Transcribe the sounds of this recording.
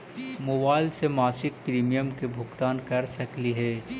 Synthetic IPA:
moːbaːɪlsemaːsɪk̚pɾiːmijəmkebʱʊkt̪aːnkɐɾsɐkliɦɛː

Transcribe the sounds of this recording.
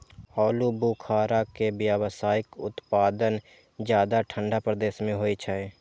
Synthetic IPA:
hɔːlubukʰaːɾakebjaːwsaːɪkʊ̰t̪paːd̪ən | d͡ʒjaːd̪aʈʰə̃ɳɖapɾəd̪eːʃmẽɦoːit͡ʃʰae

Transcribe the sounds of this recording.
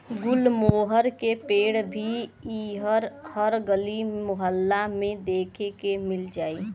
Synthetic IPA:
ɡʊlmoːɦəɾkepeːɽbʱiiɦəɾhəɾɡəlimʊɦəlːamẽd̪eːkʰekemɪld͡ʒaːi

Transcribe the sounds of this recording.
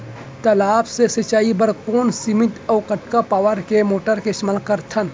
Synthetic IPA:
t̪ɐlaːbsesɐt͡ʃaːibəɾkoːnsimɪt̪ɔːkɐʈkapaːwəɾkemoːʈəɾkeʃmalkɐɾt̪ʰən

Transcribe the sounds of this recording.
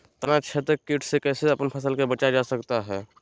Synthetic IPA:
t̪ənat͡ʃʰet̪ɾəkːiʈʰsekɛːseɐpənpʰəsəlkebət͡ʃad͡ʒasəkt̪aɦɛː

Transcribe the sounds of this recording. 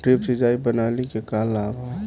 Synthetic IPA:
ʈɾipsid͡ʒaːibənaːlikekaːlaːba

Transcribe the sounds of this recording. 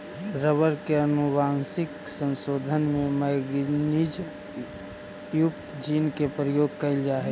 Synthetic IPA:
ɾəbəɾkeənʊbaːnsɪksə̃nsoːd̪ʱənmẽməɡnid͡ʒ | jʊkt̪d͡ʒiːnkepɾəjoːɡ̚kəɪld͡ʒaːɦɛ

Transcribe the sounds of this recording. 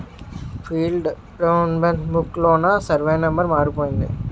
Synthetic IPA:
fiːlɖ | ɾɐʋnbɐɳʈbukːloːnaːsɐɾʋejnɐmbɐɾmaːɾipoːjɪnd̪ɯ̰

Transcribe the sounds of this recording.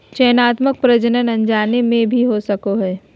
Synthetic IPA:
t͡ʃɛnaːt̪mək̚pɾəd͡ʒənənɐ̃ɲd͡ʒaːnemẽbʱiɦosɐkoɦɛː

